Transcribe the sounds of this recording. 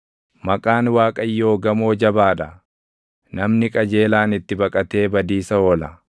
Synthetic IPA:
mɐkʼaːnwaːkʼɐjːo̞ːɡɐmo̞ːd͡ʒɐbaːᶑ̪ɐ | nɐmnɪkʼɐd͡ʒe̞ːlaːnɪt̪ːɪbɐkʼɐt̪e̞ːbɐd̪iːsɐoːlɐ

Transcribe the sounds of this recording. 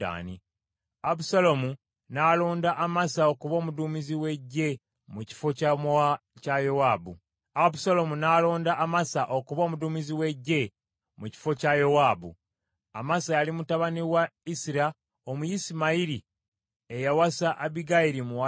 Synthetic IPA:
a̰ːnḭ | abusalomu | nalo̞ːndaʔamasaokuβo̞ːmuduːmiziwe̞ɟːe̞ | muci̥fo̞cacajowaːbṵ | abusalo̞munaːlo̞ːndaʔːmasaʔo̞kuβo̞ːmuduːmiziwe̞ɟːe̞ | muci̥fo̞cajo̞waːbṵ | a̰masajalimutaβaniwaisiɾa | omujisimaiɾi | e̞jawasaʔaβiɡaiɾimuwa

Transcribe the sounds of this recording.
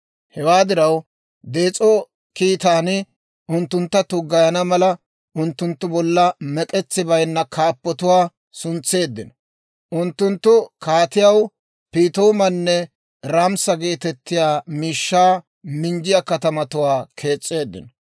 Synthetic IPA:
hɛwaːd̪ɪɾɐw | d̪e̞ːt͡sʼɔ | kiːt̪aːnɪ | ʊnt̪ːʊnt̪ːɐt̪ʊɡɐjɐnɐmɐlɐ | ʔʊnt̪ːʊnt̪ːʊbɔlːɐmɛkʼɛt͡sːɪbɐjnːɐkʰaːpːɔt̪ʊwaː | sʊnt͡sːe̞ːd̪ːɪnɔ | ʔʊnt̪ːʊnt̪ːʊkaːt̪ɪjɐw | piːt̪oːmɐnːɛ | ɾamsɐɡe̞ːt̪ɛt̪ːɪjaːmiːʃːaː | mɪnd͡ʒɪjɐkɐt̪ɐmɐt̪ʊwaːkʰe̞ːt͡sʼːe̞ːd̪ːɪ̰nɔ

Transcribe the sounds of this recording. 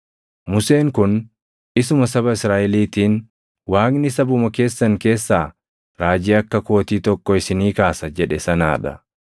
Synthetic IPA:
mʊseːŋkʊn | ʔɪsʊmɐsɐbɐɪsɾaːʔɛliːt̪iːn | waːknɪsɐbʊmɐke̞ːsːɐŋke̞ːsːaː | ɾaːd͡ʒɪɐkːɐkoːt̪iːt̪ɔkːɔɪsɪniːkaːsɐd͡ʒɛᶑɛsɐna̰ːᶑɐ̰

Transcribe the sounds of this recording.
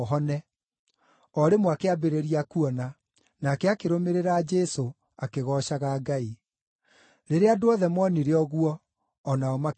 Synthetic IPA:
ɦɔnɛ | ɔɾemoakeabeɾeɾiakuɔna | nakɛakeɾomeɾeɾaːd͡ʒɛso | akeɣɔʃaɣaːɡai | ɾeɾeadoɔðɛmɔniɾeɔɣuɔː | naɔma

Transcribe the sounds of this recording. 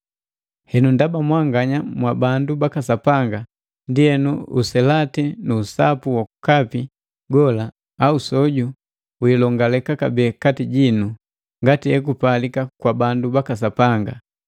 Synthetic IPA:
hɛnundabamwaŋɡaɲamwabandubakasapaŋɡa | ndihɛnuṵsɛlatɛnuːsapuwakukapi | ɡɔlaː | usɔɟu | wilɔŋɡalɛkakabɛːkatiɟinu | ŋɡatiɛkupalikakwabandubakas̬apaŋɡa

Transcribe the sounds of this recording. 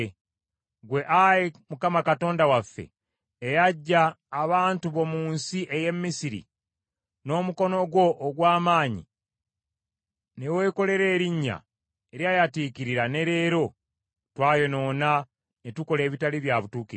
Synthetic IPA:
ɡwe̞ʔajemukamakato̞ːndawafːe̞̰ː | jaɟːaː | βaːntuβo̞muːnsiʔeje̞mːisiɾḭ | no̞ːmuko̞no̞ɡwo̞ʔːɡwaːmaːɲḭ | newe̞ːko̞le̞ɾe̞ːɾiɲːa̰ | eɾjajatiːkiɾiɾane̞ɾe̞ːɾo̞ | twaːjo̞no̞ːna | netuko̞le̞ːβitaliβjaβutuːkiɾ

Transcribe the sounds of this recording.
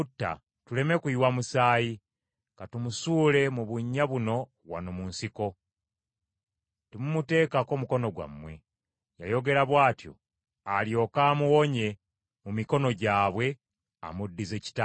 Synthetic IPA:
utːa̰ | tule̞me̞kuiwamusaːji | ŋkatumusuːle̞muβuɲːaβuno̞ | wa̰no̞munsiko̞ | temumute̞ːkako̞ːmuko̞no̞ɡwa̰mːwe̞̰ | jajo̞ɡe̞ɾaβwaːtjo̞̰ | aljo̞kaːmuwo̞ɲe̞ | mumiko̞no̞ɟaːβwe̞ | a̰mudːize̞ːci̥ta

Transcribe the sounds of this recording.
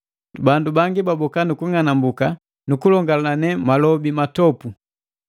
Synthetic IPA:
bandubaŋɡibabɔkanukuŋanambuka | nukulɔŋɡalanɛmalɔbimatɔpu

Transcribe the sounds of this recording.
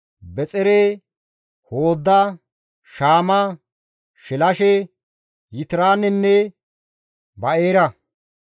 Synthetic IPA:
bɛt͡sʼɛɾeː | hoːd̪ːɐ | ʃaːmɐ | ʃɪlɐʃɛ | jɪt̪ɪɾaːnɛnːɛ | bɐeːɾɐ

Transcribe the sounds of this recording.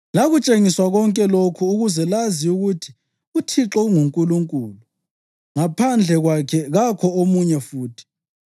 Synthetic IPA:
laɣut͡ʃʼeŋiswaɣɔŋkʼɛlokʰuːɣuzɛlaziuɣutʰi̥ | utʰiǁɔuŋuŋkʼuluŋkʼuːlu | ŋapʰand͡ɮʱɛɣwakʰɛɣakʰɔomuɲɛfuːtʰi̥

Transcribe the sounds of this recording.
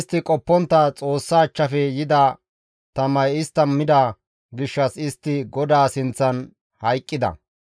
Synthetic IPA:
st̪ːɪkʼɔpːɔnt̪ːɐt͡sʼo̞ːsːaːt͡ʃːɐfɛjɪd̪ɐ | t̪ɐmɐjɪst̪ːɐmːɪd̪ɐ | ɡɪʃːɐsɪst̪ːɪɡɔd̪aːsɪnt͡sːɐn | hɐjkʼːɪd̪ɐ̰

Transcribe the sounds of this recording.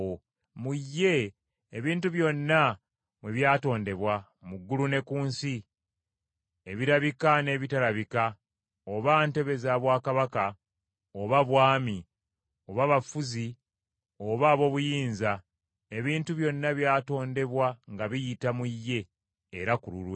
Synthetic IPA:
o | mujːe̞ː | βiːntuβjo̞nːa | mweβjaːto̞ːnde̞βwa | muɡːulune̞kuːnsi | eβiɾaβikane̞βitalaβika | oβante̞βe̞zaβwaːkaβaka | oβaβwaːmi | o̞βaβafuzi | o̞βaːβo̞ːβujiːnza | e̞βiːntuβjo̞nːaβjaːto̞ːnde̞βwaŋɡaβijitamujːe̞ː | ɾakulṵlwe

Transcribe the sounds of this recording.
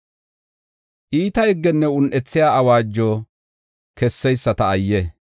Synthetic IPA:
ʔiːt̪ɐɪɡːɛnːɛʊnʔɛt͡sːɪjaːɐwaːd͡ʒːɔ | kɛsːɛjsːɐt̪ɐːjːɛ

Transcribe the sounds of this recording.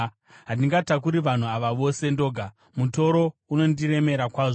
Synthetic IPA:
ɦandiŋɡatak̬uɾiʋan̤uaʋaʋo̞se̞ndo̞ːɡʱa | muto̞ɾo̞uno̞ndire̞me̞ɾakwaːʐo

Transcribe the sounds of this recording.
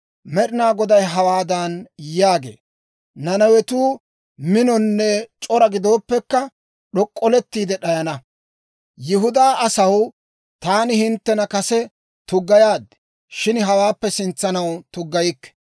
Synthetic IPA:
mɛɗɪnaːɡɔd̪ɐjɦɐwaːd̪ɐnjaːɡḛː | nɐnɐwɛt̪uː | mɪnɔnːɛt͡ʃʼɔɾɐɡɪd̪o̞ːpːɛkːɐ | ɗɔkʼːɔlɛt̪ːiːd̪ɛɗɐjɐnɐ | jɪɦʊd̪aːɐsɐw | t̪aːnɪhɪnt̪ːɛnɐkɐsɛ | t̪ʊɡːɐjaːd̪ːɛ̥ | ʃɪnɦɐwaːpːɛsɪnt͡sːɐnɐwt̪ʊɡːɐjɪkːɛ̥

